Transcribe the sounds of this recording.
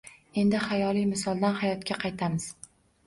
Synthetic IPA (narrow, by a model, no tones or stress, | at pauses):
e̞nd̪ɪχajɒlˠijmɪsɒlˠd̪anhajɒt̪kʲaqʰɑjt̪ʰamɪz̥